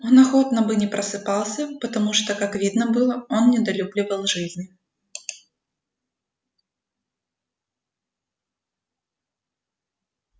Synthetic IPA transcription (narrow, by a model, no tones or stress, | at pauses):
onɐxot̪nɐbɨnʲɪpɾəsɨpɑlˠsʲəpət̪ɐmuʂt̪okakvʲid̪nəbɨlˠəonnʲɪd̪ɐlʲublʲɪvəlˠʐɨzʲnʲɪ